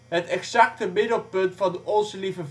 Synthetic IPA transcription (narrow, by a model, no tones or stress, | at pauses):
ɦətɛksɑk̚təmɪdəlˠpɵntfɑndəʔɔnzəlivəv